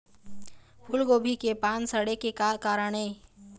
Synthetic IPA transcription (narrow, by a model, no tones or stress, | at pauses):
pʰʊlɡoːbʱikepaːnsəɽekekːkaːɾəɽ̃eː